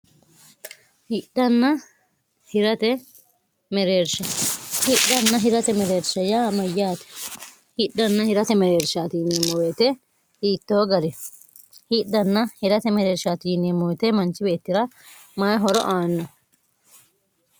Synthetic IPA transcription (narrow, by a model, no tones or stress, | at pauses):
hɪɗːɐnːɐ | hɪɾɐt̪ɛ | mɛɾeːɾʃɐhɪɗːɐnːɐɦɪɾɐt̪ɛmɛɾeːɾʃɐjaːmɐjːaːt̪ɛ̥ | hɪᶑːɐnːɐhɪɾɐt̪ɛmɛɾeːɾʃaːt̪iːneːmːɔweːt̪ɛ | iːt̪ːoːɡɐɾɛ | hiɗːɐnːɐhɪɾɐt̪ɛmɛɾeːɾʃaːt̪iːnːeːmɔwɛt̪ɛmɐnt͡ʃːɪbe̞ːt̪ːɪɾɐ | maːjɦɔɾɔ̰ʔaːnːɔ